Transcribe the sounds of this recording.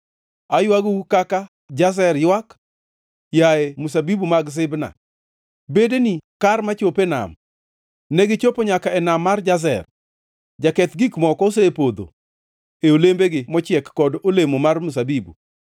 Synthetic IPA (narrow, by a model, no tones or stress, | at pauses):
ajwaɡukaka | d͡ʒaz̬ɛɾjwak | jaɛmus̬abibumaɡs̬ɪbna̰ | bedenikarmat͡ʃopena̰m | nɛɡɪt͡ʃopoɲakaɛnamːard͡ʒaz̬ɛ̰r | d͡ʒakɛt̪ɡikmɔkɔos̬epod̪o̰ | eolembeɡɪmɔt͡ʃɪɛkːɔdolemomarmus̬abibṵ